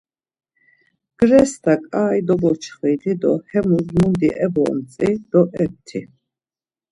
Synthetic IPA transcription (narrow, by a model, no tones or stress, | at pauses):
ɡ̥ɾɛst̪ʰakʼaːjd̪ɔbɔt͡ʃʰχiːt̪ʰid̪ɔ̰hɛmuzmund̪iʔɛbɔ̰ːmt͡sʼid̪̥ɔʔɛp̚t̪ʰi